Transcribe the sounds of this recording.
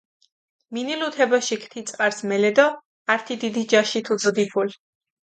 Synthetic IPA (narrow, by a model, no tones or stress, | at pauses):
minilut̪ʰɛbɔʃikʰt̪ʰit̪sʼqʼaɾsmɛlɛd̪ɔ | aɾt̪ʰid̪id̪id͡ʒaʃit̪ʰud̪zd̪ipʰul